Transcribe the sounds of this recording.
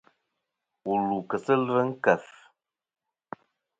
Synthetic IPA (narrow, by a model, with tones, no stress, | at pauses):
u˨lu˨kə˨sə˦lvə˦ŋ̩˦kə˨f